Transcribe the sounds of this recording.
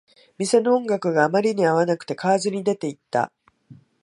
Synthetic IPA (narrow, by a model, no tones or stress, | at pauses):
mʲise̞no̞õŋɡakɯ̟ɡaːmaɾʲiɲ̟iaβ̞anakɯ̟̥t̪e̞kaːzɨɲ̟id̪e̞t̪e̞it̪ːa̰